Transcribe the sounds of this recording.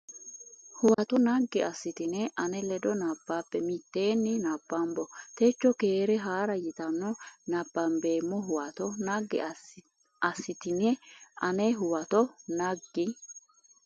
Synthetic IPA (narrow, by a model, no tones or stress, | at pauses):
hʊwɐt̪ɔnɐɡːɪɐsːɪt̪ɪnɛʔɐnɛlɛd̪ɔnɐbːaːpːɛmɪt̪ːe̞ːnːɪnɐbːɐmbɔt̪et͡ʃːɔke̞ːɾɛɦaːɾɐjɪt̪ɐnːɔnɐbːɐmbe̞ːmːɔɦʊwɐt̪ɔnɐɡːɛ̰ | ɐsːɪt̪ɪnɛʔɐnɛɦʊwɐt̪ɔnɐɡːɪ